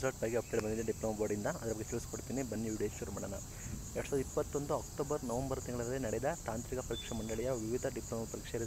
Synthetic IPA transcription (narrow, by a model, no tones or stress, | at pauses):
sɐɾʈbaːɡeɐp̚ɖeɖbɐnd̪id̪ɐɖiploːmɐboɾɖind̪ɐɐd̪ɐɾɐbɐɡːet͡ʃilsi̥koɽit̪iːnibɐnːiuɖeʃuɾumɐɽɐnɐ̰ | jɛɐʈːusaːd̪ɐipːɐt̪ːo̞nd̪uɐkʈoːbɐɾnɐʋɐmbɐɾt̪iŋɡɐɭɐɾɐlːinɐɽɛd̪ɐt̪aːnt̪ɾikɐpɐɾiːkʂɛmɐɳɖɐɭɛjɐʋiʋid̪ʱɐɖiploːmɐpɐɾiːkʂeɾi